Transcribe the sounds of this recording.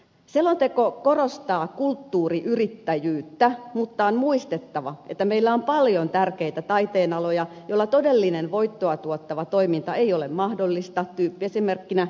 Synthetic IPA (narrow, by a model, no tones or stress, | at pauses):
selːont̪ekokorost̪ɑːkult̪ːuːriʔyrit̪ːæjyːt̪ːæmut̪ːɑonmuist̪et̪ːɑʋɑʔḛt̪ːæmeilːæompɑljont̪ærkeit̪æt̪ɑit̪eːnɑlojɑjolːɑt̪odelːinenʋoit̪ːoɑt̪uot̪ːɑʋɑt̪oimint̪ɑeiolemmɑhdolːist̪ɑt̪yːpːiesimerkːinæ